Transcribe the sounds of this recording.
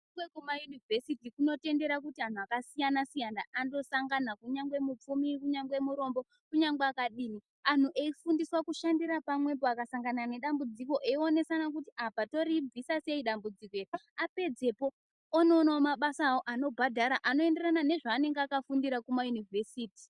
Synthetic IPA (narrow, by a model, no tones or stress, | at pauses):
wekumajunivʱesitikuno̞te̞nde̞ɾakutian̤uakasijanasijanaʔando̞saŋɡanakuɲaŋɡwe̞mup͡fumikuɲaŋɡwe̞muɾo̞mbo̞ | kuɲaŋɡeakaɗiːni | an̤uʔe̞ifundiswakuʃandiɾapamwe̞p̬oakasaŋɡanane̞ɗambud͡ziko̞ʔeio̞ne̞sanakutiʔapato̞ɾib͡vʱisase̞iɗambud͡zikoeriape̞d͡ze̞po̞ | ono̞ːnaomaɓasawoʔano̞bʱadʱaɾaʔano̞e̞nde̞ranane̞ʐaːne̞ŋɡakafundiɾakumajunivʱe̞siːti̥